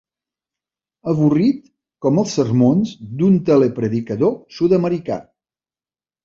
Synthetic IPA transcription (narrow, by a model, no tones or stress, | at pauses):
əβurit̪ | kɔməlˠsːərmonzd̪unt̪elepɾəðikəðosuðəməɾika̰